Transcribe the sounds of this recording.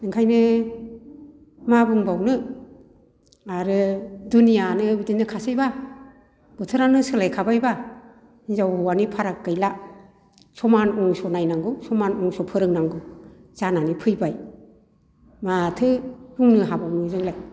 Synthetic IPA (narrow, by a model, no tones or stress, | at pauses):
nɯŋkʰajnɯ | mabɯŋbawnɯ | aɾɯdunijanɯbidinːɯkʰasajba | b̥ɯtʰɯɾanɯsɯlajkʰabajba | inzawhɔwanipʰaɾakːɯjla | sɔmanɔŋsɔnajnaŋɡɯwsɔmanɔŋsɔpʰɯɾɯŋnaŋɡɯwz̥ananipʰɯjbaj | matʰɯɾuŋnɯɦabawnɯzɯŋlaj